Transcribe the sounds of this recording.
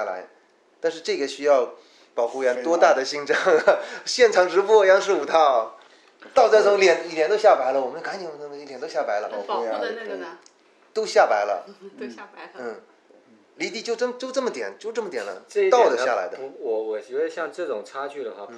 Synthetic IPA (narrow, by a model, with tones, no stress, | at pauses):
a˥˩la̰˧˥ɪ | t̪a˥˧nʂɻ̩˥˧ʈ͡ʂɤ˥˩ɡɛ˨˩ɕy˥jɑ˥˩ʊ | pɑ˨˩ʊxu˥˩jɛ˧˥nt̪wɔ˥t̪a˥˩d̪ə˩ɕi˥˩ŋʈ͡ʂɑ˥˩ŋɕjɛ˥˩nʈ͡ʂʰɑ˨˥ŋʈ͡ʂɻ̩˧˥pwɔ˥˩jɑ˥ŋʂɻ̩˥˩u˨˩t̪ʰɑ˥˩ | t̪ɑ˥˧ʊt͡sa˥˩ɪt͡sʰʊ˧˥ŋljɛ˨˧˩ni˧˩t̪jɛ˧˥nt̪o˥ɕja˥˩pa˧˥ɪlə˧wɔ˨˩mə˦n˧kʰnt͡ɕi˨˩ə˥˩˥i˥˩jɛ˨˩nt̪o˥ʊɕja˥˩pa˧˥ɪlə̰˧pɑ˨˩ʊxu˥˧ja˥˧˥ | t̪o˥ʊɕja˥˩pa˧˥ɪlə̰˧˥ | n̩˥˩ | li˧˥t̪i˥˧t͡ɕjo˥˧ʊʈ͡ʂə˥˩t͡ɕjo˥˧ʊʈ͡ʂɤ˥˩mə˩t̪jɛ̰˨˩nt͡ɕjo˥˧ʊʈ͡ʂɤ˥˩mə˩t̪jɛ˨˩nlə̰˦ʈ͡ʂ̪ɑ˥˩˨ʊd̪ə˩ɕja˥˩la̰˧˥ɪd̪ə˧˥wɔ˧˩wɔ˨˧˩ɕi˧˥we˥˧ɕjɑ˥˧ŋʈ͡ʂɤ˥˩ʈ͡ʂʊ˨˩ŋʈ͡ʂʰa˥t͡ɕy˥˩d̪ə˩xwa˥˩